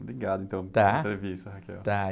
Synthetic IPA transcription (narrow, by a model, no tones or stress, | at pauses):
bɾiɡad̪ʊĩnt̪ə̃w̃t̪aẽt̪ɾevist̪ɐɦakɛ̰wt̪a